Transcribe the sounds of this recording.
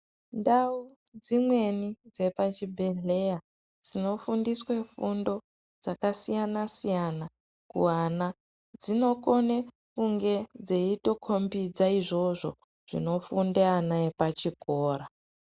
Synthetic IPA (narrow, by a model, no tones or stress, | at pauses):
ndau | d͡zimwe̞nid͡ze̞pat͡ʃibʱeɮeja | d͡zino̞fundiswe̞fundo̞ | d͡zakasijanasijana | kṵwana | d͡zino̞kone | kuŋɡe̞d͡zeito̞kʰo̞mbid͡zaiʐo̞ʐo̞̰ | ʐ̥ḭno̞fundeanaepat͡ʃikoːɾa